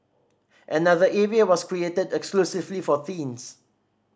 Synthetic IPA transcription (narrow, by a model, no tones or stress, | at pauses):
ʔənaðəʔɛɹiawɔskɹietədɛksklusɪvlifɔθĩns